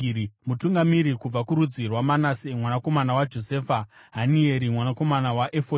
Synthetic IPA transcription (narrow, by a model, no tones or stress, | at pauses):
mutuŋɡamiɾikub͡vakuɾud͡zirwamanasemwanako̞manawad͡ʒo̞seːfa | ɦanieɾimwanako̞manawaʔefo